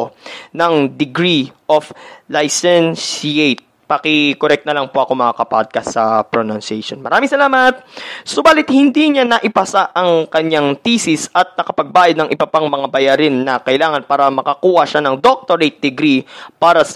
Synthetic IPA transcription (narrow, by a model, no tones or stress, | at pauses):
nɐŋd̪ɪɡɾiʔoflajsɛnsiet̪̚ | pɐkɪkoɾɛk̚t̪nɐlɐaŋpoʔɐkomɐakɐpa̰d̪̚kɐsɐpɾonɐnsɛjʃonmɐ̰ɾaːmɪiŋsɐlaːmɐt̪̚sʊbaːlɪt̪̚hɪnd̪iɲanɐʔɪpɐsaʔɐŋkɐɲaŋt̪isɪsʔɐt̪̚nɐkɐpɐɡ̚baːjɐd̪̚nɐŋʔɪbɐpaŋmɐŋabɐjaɾɪnːɐkɐʔɪlaːŋɐnpaːɾɐmɐkɐkuːhɐʃanɐŋd̪ok̚t̪oɾet̪̚d̪ɪɡɾipaːɾɐs